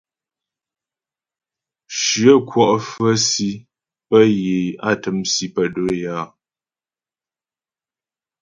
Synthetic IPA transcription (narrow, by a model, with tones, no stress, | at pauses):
ʃɰə˦˨kʰwɔ˦˨ʔfə˦si˦ | pə˦jeː˨a˦˨tə˨˦msi˦pə˦˨do˨˦˨jaː˦˨